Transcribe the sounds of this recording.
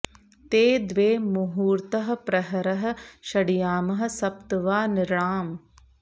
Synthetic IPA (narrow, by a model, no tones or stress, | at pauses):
t̪eːd̪ʋeːmuɦuːɾt̪ɐɦɐ̆pɾɐɦɐɾɐɦɐ̆ʃɐɽijaːmɐɦɐ̆sɐp̚t̪ɐʋaːnɪɾɳaːm